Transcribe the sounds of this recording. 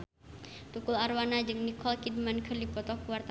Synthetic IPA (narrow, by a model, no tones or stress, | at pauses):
t̪ukularwanad͡ʒɨŋnikʰɔlkid̚mankʰərdipɔt̪ɔkuwart̪